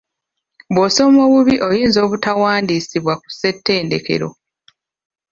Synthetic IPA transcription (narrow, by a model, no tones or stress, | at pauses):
βwoso̞mo̞ːβuβiʔo̞jiːnzo̞ːβutawaːndisiβwaku̥se̞tːe̞ːnde̞̰ke̞̰ɾo̞̰